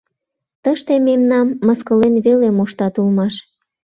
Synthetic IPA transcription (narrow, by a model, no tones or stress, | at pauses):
t̪əʃt̪ememnɑmːəskəlenβelemoʃt̪ɑt̪ulmɑʃ